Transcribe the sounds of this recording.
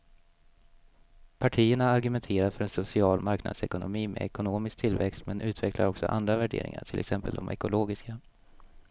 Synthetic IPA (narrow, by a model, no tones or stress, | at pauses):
pʰaʈʰiːəɳaːɾɡɵmɛnt̪ʰeːɾaɾfœɾɛnsʊsɪɑːlmaɾkna̰d̪sɛkʊnʊmiːmɛ̰ɛkʊnoːmɪsk̚t̪ʰɪlvɛkst̪mɛnʔʉ̟ːt̪ʰvɛklaɾɔksɔ̰ʔa̰nd̪ɾavæɖḛːɾɪ̰ŋa̰ʈʰɪlʔɛksɛmpəld̪ɔmʔɛ̰kʊloːɡɪska